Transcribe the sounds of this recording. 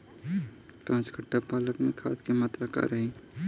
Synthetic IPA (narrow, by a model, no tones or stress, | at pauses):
ʈãːt͡ʃkəʈːapaːləkmẽkʰa̰ːt̪kemaːt̪ɾəka̰ɾəɦĩ